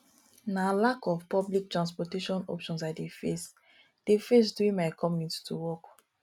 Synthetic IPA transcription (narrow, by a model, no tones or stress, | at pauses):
nalakɔvpɔblik̚tɹãnspɔteʃɔ̃nɔ̰pʃɔ̃nsadefes | d̥efes̬duĩnmaɪkʰɔmĩttʰuwɔk